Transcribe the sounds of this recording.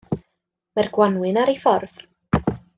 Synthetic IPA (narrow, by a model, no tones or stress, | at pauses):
marɡwanwɨnaɾejfɔrv̥